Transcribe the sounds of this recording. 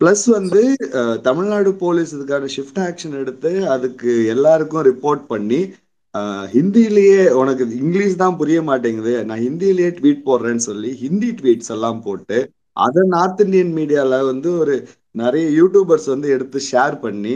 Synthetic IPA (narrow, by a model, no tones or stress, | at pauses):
plɐsʋɐnd̪ɯt̪ɐmɪɻnaːɽɯpoːlisɐðɯkːaːnɐʂɪfʈaːkʂɐnɛɽɯt̪ːɯɐðɯkːɯɛlːaːɾɯkːʊ̃ɾɪpːoːɾʈ̚pɐɳːi | ɦɪnd̪ijɪlɐjeːɔnɐkːɯɪŋɡliːst̪ãːpʊɾɪjɐmaːʈ̬ːiːŋɡɐðɯnãːhɪnd̪ijɪlɐjeːʈʋiːʈ̚poːɾɾẽːnsɔlːiɦɪnd̪iʈʋiːʈsɛlːãːmpoːʈːɯ | ʔɐ̰ðɛnaːɾt̪ɪɳɖɪjɐnmiːɽɪjaːlɐʋɐnd̪ɯɔɾɯ | nɪɾɐjɐjuːʈjuːbɐɾsʋɐnd̪ɯɛɽɯt̪ːɯʂeːɾpɐɳːi